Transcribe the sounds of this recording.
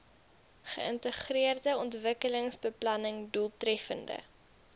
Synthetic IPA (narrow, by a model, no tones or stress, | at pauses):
χə̰əntəχriərdəɔntvəkələŋsbəplɐnəŋdulˠtrɛfəndə̰